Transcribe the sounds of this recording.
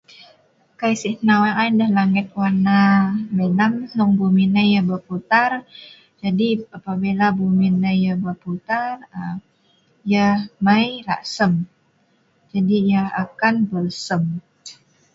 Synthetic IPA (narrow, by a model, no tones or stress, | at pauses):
kajsinawaʔajdəhlaŋɪt̪̚wanamənamsɔŋbuminəjabəput̪ar | d͡ʒadiapabilabuminːəjjabəput̪arə | jahmajla̰ʔsəm | d͡ʒadijahakanbəlsəm